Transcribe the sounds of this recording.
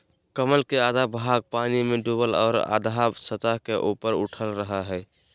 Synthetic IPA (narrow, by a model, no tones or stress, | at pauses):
kəməlkead̪ʱabʱaɡ̚panimeɖubəlɔ̰ːɾa̰d̪ʱabsət̪aɦkeʔupəɾuʈʰəlɾəɦaɦɛ